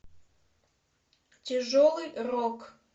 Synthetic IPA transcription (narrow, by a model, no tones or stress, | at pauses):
tʲʰeʐolˠɨjrokʰʼ